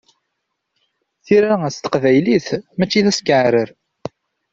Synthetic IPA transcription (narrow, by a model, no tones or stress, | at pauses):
θiɾaæst̪ə̥qvæjliθmæt͡ʃːiðæskəʕɾəɾ